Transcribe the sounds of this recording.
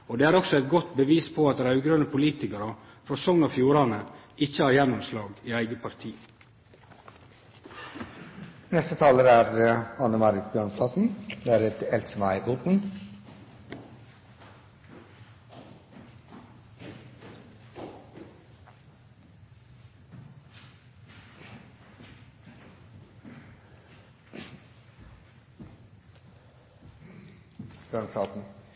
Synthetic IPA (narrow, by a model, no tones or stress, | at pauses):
oːd̪eːæːɾɔksɔæɪt̪̚ɡɔt̪bəʋiːspʰoɑt̪̚d̪ɛɾɑʉɡɾøːnəpʊliːt̪ɪkɑɾɑfɾosɔŋnɑfjuːɾɑnəɪçəhɑːɾjɛnːɔmslɑːɡiːæɪɡəpʰɑɾt̪ʰiː | nɛst̪ət̪ʰɑːləɾæɾɑnəmɑɾɪt̪bjøːɳpʰlɑːt̪n̩d̪ɛæɾɛt̪ɛlt̪səmæɪpoːt̪n̩ | ɡ̥ɾɑnslɑːt̪n̩